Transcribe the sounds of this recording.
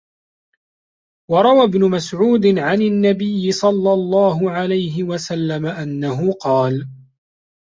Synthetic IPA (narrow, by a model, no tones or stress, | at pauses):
wɑɾˤɑwabnʊmasʕuːd̪ɪʕananːabɪjːɪsˤɑlːɑlˤːɑːɦʊʕalajɦɪwasalːamaʔanːaɦʊqɑːl